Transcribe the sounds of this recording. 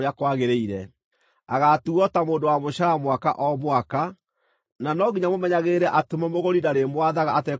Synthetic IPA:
akwaɣeɾeiɾɛ | aɣatuɔtamoːndowamoɕaɾamwaka̰ʔɔmwaka | nanɔɣiɲamomɛɲaɣeɾɛʔatemɔmoɣoɾidaɾemwaðaɣaːtɛ

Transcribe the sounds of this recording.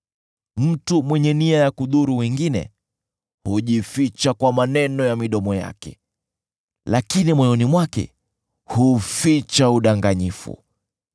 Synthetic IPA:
m̩tumwɛɲɛniajakuɗuɾuwɛŋɡinɛ̰ | huʄifit͡ʃakwamanɛnɔjamiɗɔmɔja̰kɛ̰ | lakinimwɔjɔnimwakɛ̰ | hufit͡ʃauɗaŋɡaɲifṵ

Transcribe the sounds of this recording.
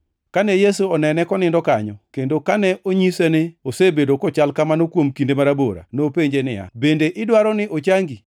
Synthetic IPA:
kanɛjesuɔnɛnɛkɔnɪndɔkaɲɔkendokanɛʔoɲisɛnɪosebedokɔt͡ʃalkamanokwomkindemaɾaboɾa̰nopeɲd͡ʒenɪ̰ja̰bendeʔɪdwaɾɔnɪʔot͡ʃaŋɡi

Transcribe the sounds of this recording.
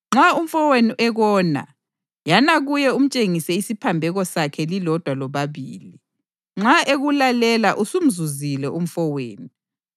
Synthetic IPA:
ŋ͡ǁaum̩fɔweniʔɛɣɔːna̰ | janaɣujɛum̩t͡ʃʼeŋisɛisipʰambʱɛɣɔsakʰɛlilɔd̥ʱwalɔβaβḭːli | ŋ͡ǁaʔeɣulalɛlaʔusum̩zuzilɛʔum̩fɔweːni

